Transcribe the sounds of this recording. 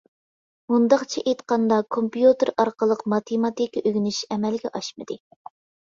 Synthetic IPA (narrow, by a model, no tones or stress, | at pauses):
mund̪ɑqt͡ʃʰeʔet̪qɑnd̪ɑkʰompijut̪ɨɾɑɾqəlˠəqmɑt̪ʰemɑt̪ikʲʔøɡʲnɪʃɛmɛlɡʲɛʔɑʃmɨd̪̥ɨ